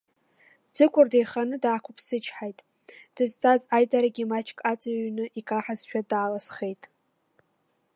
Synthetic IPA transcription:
d͡zɨkʷʼʊrdejχanɨdaːkʷʰʊpʰsɨt͡ʃʰħajtʼ | d̥ɨztʼazajdʼaɾaɡʲimat͡ʃʰʼkʼat͡sʼaɥnɨʔikʼaħaz̥ʃᶣadaːlasχe̞jtʼ

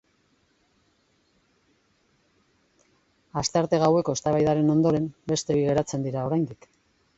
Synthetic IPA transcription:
ast̪eaɾt̪e̞ɣawe̞ko̞est̪aβajðaɾe̞no̞nd̪o̞ɾe̞mbe̞st̪e̞iɣe̞ɾat͡se̞nd̪iɾao̞ɾajnd̪ik

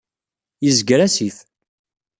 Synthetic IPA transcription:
jəzɡɾæsiθ

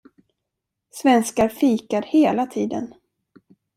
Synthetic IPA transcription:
svɛnskaɾfiːkaɾheːlat̪ʰiːd̪ə̰n

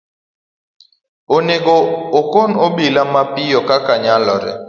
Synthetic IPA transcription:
oneɡoːkonobilamapɪjɔkakaɲalɔɾɪ̰

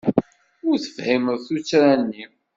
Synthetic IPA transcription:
ʊɾθə̥fhiməðθut͡sːɾænːi

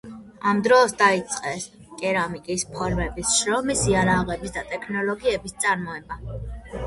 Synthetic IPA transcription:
amd̪ɾɔːsd̪ait̪sʼqʼɛs | kʼɛɾamikʼispʰɔɾmɛbisʃɾɔmisiaɾaʁɛbisd̪at̪ʼɛkʰnɔlɔɡiɛbist̪sʼaɾmɔɛba

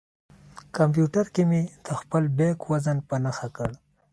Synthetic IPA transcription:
kampjuʈaɾkemed̪̥əxpəlbekwazanpanaxakəɽ

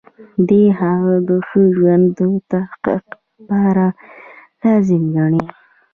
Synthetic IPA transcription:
d̪eɦaɣad̪əxəʒwand̪ət̪ahqḭq | pɑɾalazimɡaɳi

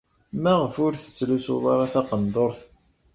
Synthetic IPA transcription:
mæʁəfʊɾθə̥t͡sːluso̰ðˤɑɾˤɑθaqənd̪oɾˤθ

